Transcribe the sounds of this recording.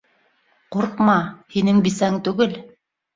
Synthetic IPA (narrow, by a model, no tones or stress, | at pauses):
quɾqmɑhinɘŋbisæŋt̪ʉɡɘl